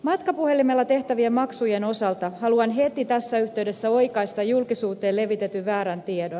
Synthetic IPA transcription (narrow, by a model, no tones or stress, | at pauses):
mɑt̪kɑpuhe̞limelːɑt̪e̞ht̪æʋiemɑksuje̞no̞sɑlt̪ɑhɑluɑnɦe̞t̪it̪æsːæyçt̪e̞ɥde̞sːæo̞jkɑist̪ɑjulkisuːt̪e̞ːle̞ʋit̪e̞t̪yːæːɾænt̪iedon